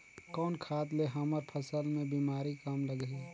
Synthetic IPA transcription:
kɔːnkʰaːt̪leɦɐməɾpʰəsəlmẽbiːmaːɾikaːmləɡeː

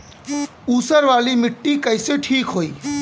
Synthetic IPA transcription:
uːsəɾʋaːlimɪʈːikəɪseʈʰiːkɦoːiː

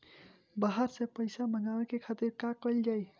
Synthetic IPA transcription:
baɦaɾsepəɪsaməɡawekekʰat̪iɾkakəld͡ʒaj

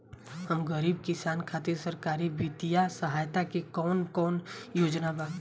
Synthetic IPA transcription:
həmɡəɾiːb̚kɪsaːnkʰaːt̪iɾsɐɾkaːɾibit̪ijasəɦaːjt̪akekɔːnkɔːnjoːd͡ʒnabaː

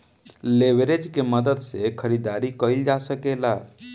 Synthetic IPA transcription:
leʋeɾed͡ʒkeməd̪əd̪sekʰəɾid̪aːɾikəild͡ʒasəkela

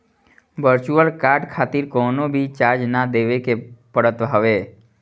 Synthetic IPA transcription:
ʋəɾt͡ʃuəlkaɾɖkʰat̪iɾkɔːnobʱit͡ʃaɾd͡ʒnad̪eʋekepəɽət̪ɦəʋe

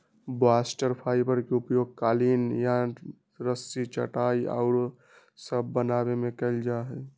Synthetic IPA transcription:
basʈəɾpʰaːipəɾkeʊpjoɡ̚kaːlinjã | ɾəsit͡ʃə̰ʈaia̰ʊɾ | səbʱːənaːbemẽkəld͡ʒaɦɛ

